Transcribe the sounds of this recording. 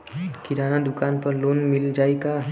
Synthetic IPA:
kɪɾaːnad̪ʊkaːnpɐɾloːnmɪld͡ʒaːeɡa

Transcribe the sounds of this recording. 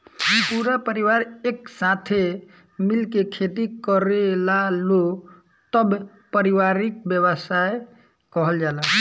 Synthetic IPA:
ipuɾapəɾiʋaɾeksat̪ʰe | milkekʰet̪ikəɾelalo | t̪əb | pəɾiʋaɾik̚bjəβəsae | kəɦəld͡ʒala

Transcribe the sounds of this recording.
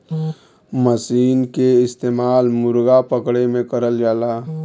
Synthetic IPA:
məsiːnkeɪst̪eːmaːlmʊɾɡapəkɽemẽkəɾəld͡ʒaːlaː

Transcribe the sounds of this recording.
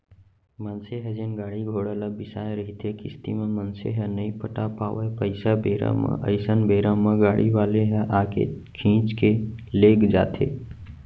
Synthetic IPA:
mənseɦɛd͡ʒenɡaːɽiɡʱoːɽələbɪsaːẽɾəɦit̪ʰekɪ̰st̪ḭmẽmənsḛɦɛnəĩpəʈapa̰ːʋəpəɪsabeːɾa̰mã̰ʔə̰ɪsənbʱeːɾamə̃ɡaːɽiʋaːleɦɛ̃ʔaːkḛ | kʰĩːt͡ʃkeleːkd͡ʒa̰ːt̪ʰḛː

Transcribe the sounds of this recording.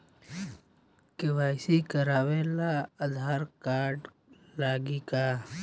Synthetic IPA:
kɪʋaːjsikəɾaːʋelaəd̪ʱaːɾkaːɾɖ | laːɡikaː

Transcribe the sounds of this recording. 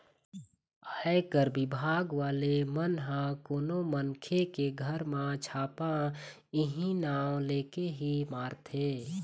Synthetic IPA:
aːekəɾbɪbʱaːɡʋaːlemənɦãkoːnomənkʰekeɡʱəɾmãt͡ʃʰaːpã | ɪɦĩnaːwleːkeɦimaːɾt̪ʰeː

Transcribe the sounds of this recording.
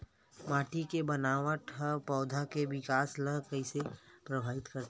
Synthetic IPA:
maːʈikebɐnaːʋəʈʰəpɔːd̪ʱakeʋɪkaːsləkəisepɾəbʱaːʋɪt̪kəɾt̪

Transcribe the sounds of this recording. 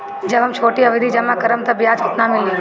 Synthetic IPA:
d͡ʒəʋəmt͡ʃʰoːʈiːəʋid̪ʱiːd͡ʒɐmãːkəɾəmt̪ɐbjaːt͡ʃʰət̪namɪlĩ

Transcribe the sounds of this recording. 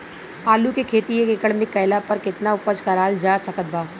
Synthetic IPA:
aːlukekʰeːt̪iekekəɽmɪkːɐjlapɐɾkɪt̪naʊpət͡ʃkɐɾaːld͡ʒaːsɐkət̪̚baː

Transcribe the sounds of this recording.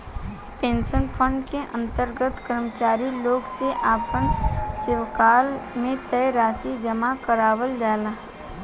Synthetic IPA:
pẽːnsənpʰə̃ɳɖkeʔə̃nt̪əɾɡət̪kəɾmət͡ʃaːɾiloːɡseʔaːpənsɪwkaːlmẽt̪ɛːɾaːsid͡ʒəmakəɾaːwəld͡ʒaːlaː

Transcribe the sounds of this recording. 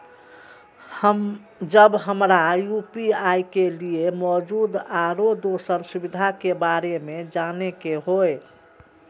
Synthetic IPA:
həm | d͡ʒəbɦəmɾajupiajkeliemɔd͡ʒud̪aɾod̪osəɾsubid̪ʱakebaɾemed͡ʒanekeɦoj

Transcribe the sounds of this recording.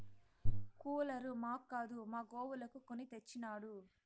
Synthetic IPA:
kuːlɐɾumaːkːaːd̪umaːɡoːwulɐkukonit̪et͡ʃːinaːɽu

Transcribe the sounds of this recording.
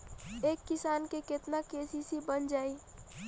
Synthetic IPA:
eːkːɪsaːnkeket̪nakeːsisibənd͡ʒaːi

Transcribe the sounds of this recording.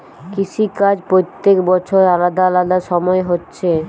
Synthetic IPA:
kiʃikad͡ʑpɾot̪ːekbɔt͡ɕʰoɾalad̪alad̪aʃɔmɔeɦotːɕʰe

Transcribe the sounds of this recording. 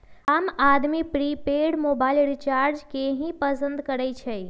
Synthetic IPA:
amad̪mipɾipeɖmobaɪlɾit͡ʃaɾd͡ʒkeɦĩpəsə̃nd̪kəɾɛt͡ʃʰəj

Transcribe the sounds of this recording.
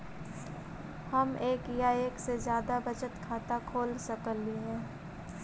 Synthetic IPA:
hɐmeːkjaːeːksezjaːd̪abɐt͡ʃət̪kʰaːt̪akʰoːlsəkəliɦɛː

